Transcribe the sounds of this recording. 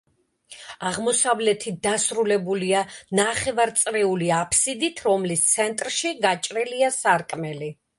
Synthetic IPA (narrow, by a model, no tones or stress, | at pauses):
aʁmɔsavlɛt̪ʰit̪̚d̪asɾulɛbulianaχɛvaɾt̪sʼɾɛuliapʰsid̪it̪ʰɾɔmlist̪sʰɛnt̪ʼɾʃiɡat͡ʃʼɾɛliasaɾkʼmɛli